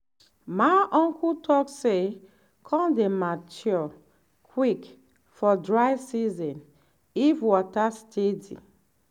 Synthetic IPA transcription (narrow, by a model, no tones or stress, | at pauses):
majʔɔ̃ŋkʰutʰɔkse | kʰɔ̃dematjɔ | kʰwik | fɔdɹaɪsizɔ̃n | ifwɔtastʰedḭ